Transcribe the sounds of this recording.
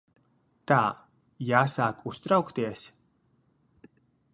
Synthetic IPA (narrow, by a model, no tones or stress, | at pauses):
t̪aː | jaːsaːkust̪ɾawkt̪iɛs